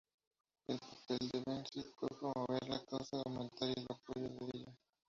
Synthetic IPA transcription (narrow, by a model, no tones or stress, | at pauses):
elpapeld̪eβensit̪pwepɾomoβeɾlakawsaðawment̪aɾelapoʝoðeeʎa